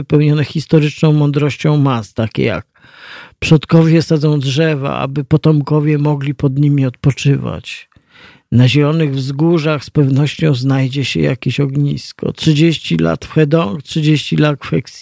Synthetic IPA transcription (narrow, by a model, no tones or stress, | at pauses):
pɛwɲɔnɛxʲist̪ɔɾɘt͡ʂnɔ̃w̃mɔnd̪ɾɔɕt͡ɕɔ̃w̃mast̪akʲɛ̰ja̰k̚ | pʂɔt̪kɔvʲjɛsad̪zɔ̃w̃dʐɛva̰a̰bɘpɔt̪ɔmkɔvʲjɛmɔɡlʲipɔd̪ɲimʲiɔt̪̚pɔt͡ʂɘva̰t͡ɕ | naʑɛlɔnɘɣvzɡuʐaxspɛvnɔɕt͡ɕɔ̃w̃znajd͡ʑɛɕɛ̰ja̰kʲeɕɔɡɲḭskɔ̰tʂɘd͡ʑeɕt͡ɕila̰t̪fxɛd̪ɔŋktʂɘd͡ʑeɕt͡ɕilat̪fxɛks